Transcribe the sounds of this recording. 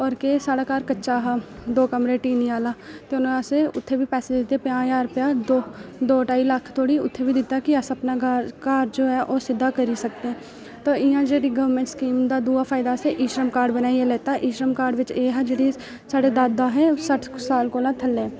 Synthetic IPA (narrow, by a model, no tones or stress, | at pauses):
ɔːɾkesaːɽakaːɾkətːʃaːɦaːd̪oːkəmɾeʈiːniaːlaːt̪eʊnaseʊt̪ʰːebʱipɛːsed̪ɪt̪eɛpjãːjaːɾpjaːd̪oːd̪oːʈaːiləkʰt̪ʰoːɽiʊ̰t̪ʰːebʱid̪ɪt̪akiəsəpnakaːɾd͡ʒoːɦɛːʔoːsɪd̪ʱːakəɾisək̚t̪eɦɛ̃ː | t̪oːʔɪjãːd͡ʒeːɽiɡəʋəɾmẽɳʈskiːmd̪aːd̪uːaːfʰaːɪd̪aseʔiːʃɾəmkaːɾɖbənaːiɛlɛːt̪aʔiːʃɾəmkaːɾɖʋɪt͡ʃeːɦad͡ʒeːɽi | saːɽed̪aːd̪ːaːɦɛ̃ːsəʈʰsaːlkoːlãt̪ʰəlːẽː